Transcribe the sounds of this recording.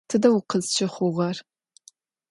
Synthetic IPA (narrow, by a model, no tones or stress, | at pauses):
tʰɨdɐwʊqəzt͡ʃʰɪχʷʊʁɐr